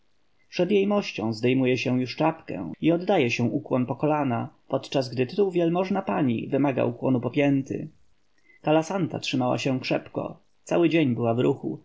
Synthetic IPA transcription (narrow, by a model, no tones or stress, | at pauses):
pʂɛd̪jejmɔɕt͡ɕɔ̃w̃zd̪ɛjmujɛɕɛ̃juʂt͡ʂapkɛ̰iɔd̪d̪ajɛɕɛ̃ʔukwɔnpɔkɔlanapɔt̪t͡ʂazɡd̪ɘt̪ɘt̪uwvʲjɛlmɔʐnapaɲḭvɘmaɡa̰ukwɔnupɔpʲjɛnt̪ɘ̰ | kalasant̪a̰tʂɘmawa̰ɕɛ̃kʂɛpkɔ̰ | t̪sawɘd͡ʑeɲbɘwavɾuxṵ